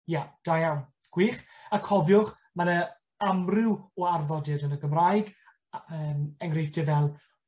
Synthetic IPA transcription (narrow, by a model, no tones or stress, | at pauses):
jad̥ajawn | ɡ̥wiːχakʰɔvjʊχ | manə | amrɪwɔarvɔdɪdənəɡəmrajɡ | əːmɛŋrejfd̥ɪvɛlˠ